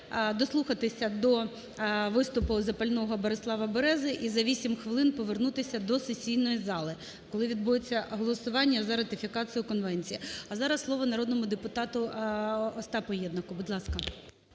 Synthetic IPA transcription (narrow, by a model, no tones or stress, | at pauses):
d̪ɔslˠuxɐt̪ɪsʲɐd̪ɔ | ʋɪst̪ʊpʊzɐpɐlʲnɔɦɔbɔɾɪslˠɑʋɐbɔɾɛzɪʔizɐʋʲisʲimxʋɪlˠɪnpɔʋernut̪ɪsʲɐd̪ɔsesʲijnɔjizɑlˠɪ | kɔlˠɪʋʲid̪̚bujet͡sʲːɐɦɔlˠɔsʊʋɑnʲːɐzɐɾɐt̪ɪfʲikɑt͡sʲɪjʊkɔnʋɛnʲt͡sʲijiɐzɑɾɐslˠɔʋɔnɐɾɔd̪nɔmʊd̪epʊt̪ɑt̪ʊ | ɔst̪ɑpɔjɛd̪nɐkʊbʊd̪lˠɑskɐ